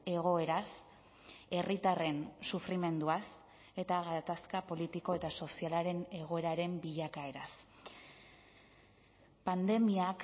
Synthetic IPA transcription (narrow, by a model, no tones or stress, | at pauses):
e̞ɣ̞o̞e̞ɾas | e̞rit̪are̞nsufɾime̞nd̪uas | e̞t̪aɣat̪askapo̞lit̪iko̞e̞t̪aso̞sialaɾe̞ne̞ɣ̞o̞e̞ɾaɾe̞mbiʎakae̞ɾas | pand̪e̞miak